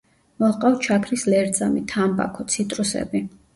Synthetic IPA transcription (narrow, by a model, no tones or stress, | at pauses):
mɔlˠqʼawt͡ʃʰakʰɾislɛɾd̪zamit̪ʰamba̰kʰɔt̪sʰit̪ʼɾusɛ̰bi